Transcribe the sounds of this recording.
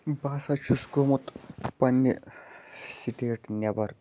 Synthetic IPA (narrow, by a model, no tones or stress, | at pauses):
baːsɐt͡ʃʰusɡomut̪pɐnːi | siʈeːʈnʲɐbɐɾ